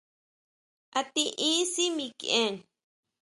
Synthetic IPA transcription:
a˧t̪i˧ʔĩ˦si˦mĩ˧kẽ˦ŋ

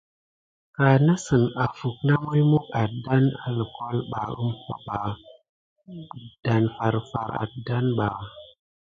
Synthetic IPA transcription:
ka˨na˦sə˨na˨fu˨k̚na˦mu˦jmu˦ka˨tda˦na̰˨lə˨ko˦lɓa˨ə̰˦mpa̰˦ɓa˨ | d̥a˨nfa˨ɾfa̰˨ɾa̰˨tda˦nɓa˨

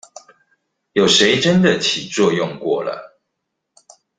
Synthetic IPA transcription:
jo˨˩ʊʂe˧˦ɪʈ͡ʂə˦nd̪ə˨t͡ɕʰi˨˩t͡swɔ˥˧jʊ˥˨ŋkwɔ˥˨˩lə̰˨˩

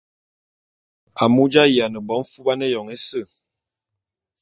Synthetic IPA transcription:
a˨mu˦d͡ʒa˦ji˨a˨nə˨bɔ˨˦m˦fu˦ba˦ne˦jɔ˨ŋe˦sə˦˨

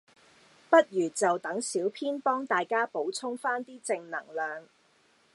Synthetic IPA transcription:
pɐ˥t̚jyː˨˩t͡sɐ˨wt̪ɐ˨˥ŋsiː˨˥wpʰiː˥npɔː˥ŋt̪aː˨jkaː˥po˨˥wt͡sʰʊ˥ŋfaː˥nt̪iː˥t͡sɪ˧ŋnɐ̰˨˩ŋlœː˨˧ŋ

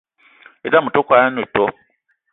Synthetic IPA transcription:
e˨˦da˦mu˨to˦kʷa˨a˦nu˨to˦

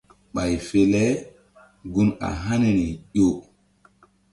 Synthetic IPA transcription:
ɓa˨jfe˨lɛ˦ | ɡu˦na̰˨ɦa˦ne˨ni˨ʄo˦˨

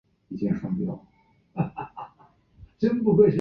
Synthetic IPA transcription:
i˧˩t͡ɕjɛ˥˩nʂɑ˥ŋpjɑ˥˩ʊ | t͡ɕi˥npu˥˩kwe˥˩ɪɕ

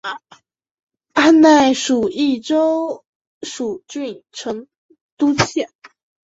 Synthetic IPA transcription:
a˥˧na˥˩ɪʂu˨˩i˥˩ʈ͡ʂo˥ʊ | ʂu˨˩t͡ɕy˥˩nʈ͡ʂʰɤ˧˥ŋ | t̪u˥t͡ɕʰjɛ˥˩

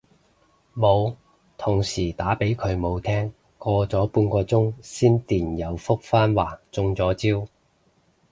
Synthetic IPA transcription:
mo˨˧w | t̪ʰʊ˨˩ŋsiː˨˩t̪aː˨˥pe˨˥jkʰɵ˨˧ɥmo˨˧wt̪ʰɛː˥ŋ | kɔː˧t͡sɔː˨˥puː˧nkɔː˧t͡sʊ˥ŋsiː˥nt̪iː˨˩njɐ˨˧wfʊ˥k̚faː˥nwaː˨˩t͡sʊ˧ŋt͡sɔː˨˥t͡siː˥w

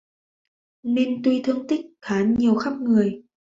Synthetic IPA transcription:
ne˧nt̪wi˧t̪ʰɨ˧əŋt̪ï˦˥k̚xaː˨˦ɲi˨˩əwxa˦˥p̚ŋɨ˨˩əj

